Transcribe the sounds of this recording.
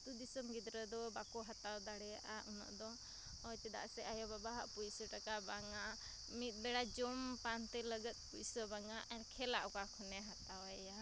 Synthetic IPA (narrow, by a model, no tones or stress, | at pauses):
t̪ud̪isɔmɡid̪ɾəd̪ɔbakɔɦat̪awd̪aɽɛjaʔaʔunɔ̰ʔd̪ɔ | ɔjt̪ɛd̪a̰ʔsɛʔajɔbabaɦaʔpujsəʈakabaŋa | mit̪̚ˀbɛɽad͡ʒɔmpant̪ɛləɡət̪̚pusəbaŋaʔɛɾkʰɛlaʔɔkakʰɔnɛɦat̪awɛja